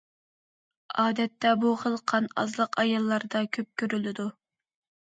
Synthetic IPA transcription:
ɑːd̪ɛt̪ːɛbuχəlˠqʰɑnɑ̰zlˠəqɑjɑlˠːɑɾd̪ɑkʲʰøp̚kʲøɾylɪd̪u

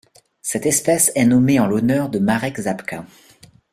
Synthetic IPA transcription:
sɛt̪ɛspɛsɛnɔmeɑ̃lɔnœʁd̪əmaʁɛkzapka

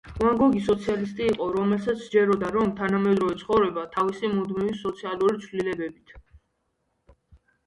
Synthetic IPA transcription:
uaŋɡɔɡisɔt̪sʰialist̪ʼiːqʼɔɾɔmɛlsat̪sʰd͡ʒɛɾɔd̪aɾɔmt̪ʰanamɛd̪ɾɔvɛt̪sʰχɔvɾɛbat̪ʰavisimud̪mivisɔt̪sʰialˠuɾit̪sʰvlilɛbɛbit̪ʰ

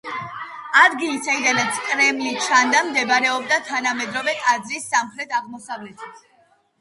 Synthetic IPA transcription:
ad̪ɡilisaid̪anat̪sʰkʼɾɛmlit͡ʃʰand̪amd̪ɛbɾɛɔbd̪at̪ʰanamɛd̪ɾɔvɛk̪ʼad̪zisːamχɾɛt̪ʰaʁmɔsavlɛt̪ʰi

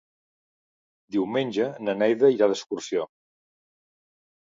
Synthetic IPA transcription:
d̪iwmenʲʒənənɛjðəiɾaðəskursio

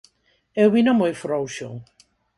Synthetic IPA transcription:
ewβinomojfɾowʃo̰

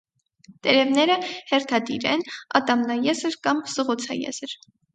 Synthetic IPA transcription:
t̪ɛɾɛvnɛɾəhɛrt̪ʰɑd̪ḭɾɛnɑ̰t̪ɑmnɑjɛzəɾkɑmsəʁut͡sʰɑ̰jɛ̰zəɾ

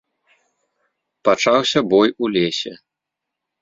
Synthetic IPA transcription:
pat͡ʂawsʲɐbɔjulʲesʲɛ

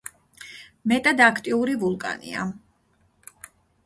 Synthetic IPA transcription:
mɛt̪ʼad̪akʰt̪ʼiuɾivulˠkʼa̰nḭa̰

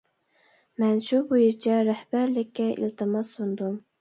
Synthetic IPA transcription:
mɛnʃubujiɾt͡ʃʰɛɾæhbæɾlɪkʲːɛḭlt̪ʰɨmɑsund̪um

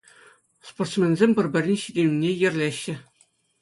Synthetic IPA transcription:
sport̪smʲenʲzʲemʲpʲɘ̆rʲbʲɘ̆rʲinʲɕidʲenʲinʲejɘ̆rʲlʲeɕːɘ̆

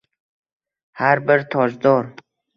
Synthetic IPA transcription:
haɾbəɾt̪ʰɔzd̪ɔɾ

